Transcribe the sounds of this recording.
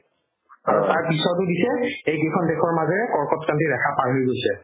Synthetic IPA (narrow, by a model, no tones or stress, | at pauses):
aɹɔtaɹpisɔtʊdisɛejkekʰɔndexʰɔɹmazɛɹɛkɔɹkɔtkantidɛkʰapaɹɦojɡojsɛ